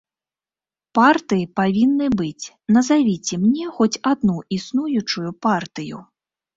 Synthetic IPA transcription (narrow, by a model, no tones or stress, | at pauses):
part̪ɨjipavʲinːɨbɨt͡sʲ | nɐzavʲit͡sʲɛmnʲɛxɔt͡sʲad̪̚nuʔisnujut͡ʂujupart̪ɨjṵ